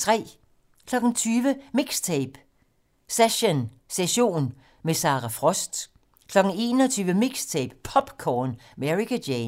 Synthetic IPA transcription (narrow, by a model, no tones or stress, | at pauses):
t͡sʰʁɛ̰ː | kʰlɒ̽ɡ̥n̩t͡sʰyːʋəmiɡ̥st͡sʰeːb̥ | seɕon | seɕo̝̰ːn | mesɑ̈ːʁafʁɒ̽sd̥ | kʰlɒ̽ɡ̥n̩e̝ːnɒt͡sʰyːʋəmiɡ̥st͡sʰeːb̥pʰɒ̽b̥kʰɒːnmeʁikæde